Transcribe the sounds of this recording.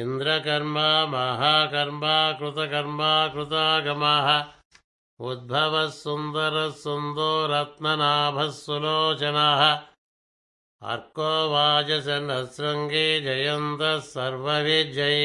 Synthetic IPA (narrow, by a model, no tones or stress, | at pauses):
ind̪ɾɐkɐɾmaːmɐɦakɐɾmaːkɾut̪ɐkɐɾmaːkɾut̪aːɡɐmaːɦɐ | ud̪̚bʱɐʋɐsːund̪ɐɾɐsːund̪oːɾɐt̪nɐnaːbʱɐsːuloːt͡ʃɐnaːɦɐ̆ | ɐ̰ɾkoːʋaːd͡ʒɐsɐnɐsɾɐŋɡed͡ʒɐjɐnt̪ɐsɐɾʋɐʋid͡ʒɐj